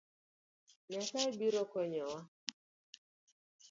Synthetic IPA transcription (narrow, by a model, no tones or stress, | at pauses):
ɲataibiɾɔkɔɲɛwa